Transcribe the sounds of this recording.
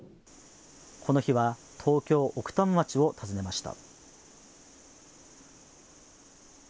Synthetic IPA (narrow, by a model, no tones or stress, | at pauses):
kʰo̞no̞çiβa | t̪ʰo̞ːkʲo̞ːʔokɯ̥t̪ãmmat͡ɕio̞t̪ʰazɨne̞maɕi̥t̪a̰